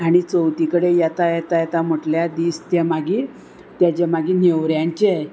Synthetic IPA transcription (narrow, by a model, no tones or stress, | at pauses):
aɽ̃it͡səwt̪ikəɽejat̪ajat̪ajat̪am̤əʈljad̪iːst̪jamaɡiː | t̪jat͡ɕemaɡiːneʋɾjaɲt͡ɕe